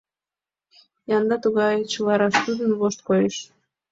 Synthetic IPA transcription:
jɑnd̪ɑt̪uɣɑjet͡ɕulɑɾɑʃt̪ud̪ənβoʃt̪̚kojəʃ

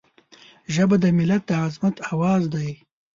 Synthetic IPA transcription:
ʒəbad̪əmɪlat̪̚d̪əazmat̪awɑːzd̪aj

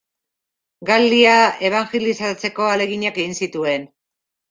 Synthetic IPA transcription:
ɡald̪iae̞β̞aŋʝelisat͡se̞ko̞ale̞ɣiɲake̞ɣinsit̪ue̞n

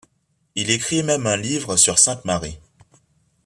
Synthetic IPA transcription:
ilekχimɛmɛ̃livʁəsyʁsɛ̃t̪maʁi

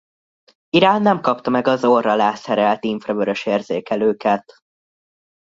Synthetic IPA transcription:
iɾaːnːɛmkɒpt̪ɒmɛɡɒzorɒlaːsɛɾɛlt̪iɱfrɒvøɾø̞ʃeːrz̥eːkɛløːkɛt̪

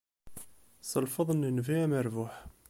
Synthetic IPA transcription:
səlfəðˤənənviæməɾvʊħ

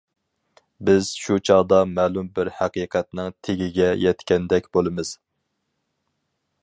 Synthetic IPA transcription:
bɪz̥ʃut͡ʃʰɑʁd̪ɑmɛːlˠumbɪɾhæqiqʰɛt̪nɪŋt̪ʰeɡʲiɡʲɛjɛt̪kʲɛnd̪ɛkʲbolˠɨmɨz̥

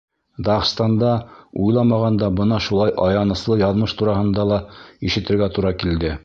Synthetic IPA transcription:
d̪ɑχst̪ɑnd̪ɑujlˠɑmɑʁɑnd̪ɑbɤnɑʃulˠɑjʔɑjɑnɤ̆slˠɤjɑðmɤʃt̪uɾɑɦɤ̆nd̪ɑlˠɑiʃɘ̆t̪ɘ̆ɾɡæt̪uɾɑkild̪ɘ

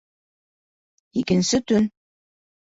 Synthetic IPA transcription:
ikɘ̆nsɘt̪ɵn

